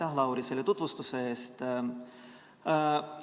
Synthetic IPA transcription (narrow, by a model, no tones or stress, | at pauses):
ɑɦlɑwɾiseljet̪ut̪vust̪useːst̪